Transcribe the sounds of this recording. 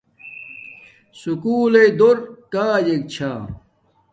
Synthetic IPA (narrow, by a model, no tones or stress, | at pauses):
sukuːlejd̪oɾkaːjek̚t͡ɕʰaː